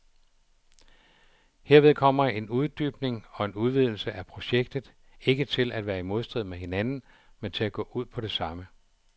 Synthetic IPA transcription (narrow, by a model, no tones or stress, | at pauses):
he̝ɐʋe̝ð̞ˠkʰɒ̽m̰ɐe̝nuð̞ˠd̥yːb̥ne̝ŋɒ̽e̝nuð̞ˠʋið̞̰ˠl̩səʔæpʰʁo̝ɕeɡ̥̚d̥ð̞̩ˠ | e̝ɡ̥ət͡sʰe̝læd̥ʋæːɐimo̝ð̞ˠsd̥ʁið̞̰ˠmehe̝nænn̩ | ment͡sʰe̝læɡ̥ɔ̰̽ːʔuð̞̰ˠpʰɒ̽ɾ̥e̝sɑ̈mə